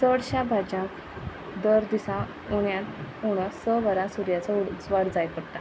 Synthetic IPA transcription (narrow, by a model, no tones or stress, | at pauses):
səɽɕabʱad͡ʑãk | d̪əɾd̪isã | uɽjat̪uɽ̃əsəʋəɾasuɾjat͡səuɽt͡sʋaɽd͡zajpəɽt̪a